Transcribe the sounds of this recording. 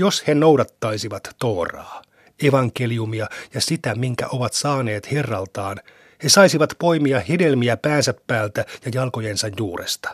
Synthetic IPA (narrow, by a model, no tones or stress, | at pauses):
joshenowdɑt̪ːɑisiʋɑt̪ːoːrɑ̰ː | eʋɑŋkeliumiɑjɑsit̪æmiŋkæ̰ʔo̞ʋɑt̪sɑːne̞ːt̪herːɑlt̪ɑːn | he̞sɑisiʋɑt̪po̞imiɑhedelmiæpæːnsæpːæːlt̪æjɑjɑlko̞jensɑjjuːrḛst̪ɑ̥